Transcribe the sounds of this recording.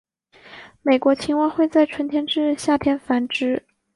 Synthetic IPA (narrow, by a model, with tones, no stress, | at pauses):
me˨˩ɪkwɔ˧˥t͡ɕʰi˧˥ŋwɑ˥˧xwe˥˧ɪt͡sa˥˩ɪʈ͡ʂʰwə˧˥nt̪ʰjɛ˧˥nʈ͡ʂɻ̩˥˧ɕja˥˩t̪ʰjɛ˧˥nfa˧˥nʈ͡ʂɻ̩˥